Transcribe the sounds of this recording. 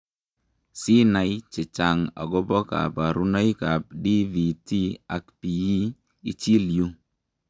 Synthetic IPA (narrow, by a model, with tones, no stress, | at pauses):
si˦na˨jt͡ʃɪ˨t͡ʃa˨ŋa̰˨ɡɔ˦bɔ˦ka̰˨pa˨ɾu˦na˦jka˨p̚di˦vi˨ti˦a˨kpi˨i˦ | i˦t͡ʃi˦lju˦